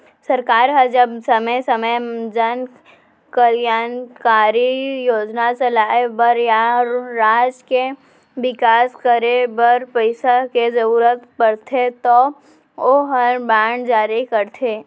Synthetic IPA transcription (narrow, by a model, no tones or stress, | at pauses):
sɐɾkaːɾɦəd͡ʒəbsɐməjsɐməjd͡ʒən | kəljaːnkaːɾijoːd͡ʒnasɐlaːebəɾjaɾaːd͡ʒke | ʋɪkaːskəɾebəɾpəɪsakezəɾuːɾət̪pəɾt̪ʰet̪o | oːɦəɾbãːɳɖd͡ʒaːɾikəɾt̪ʰeː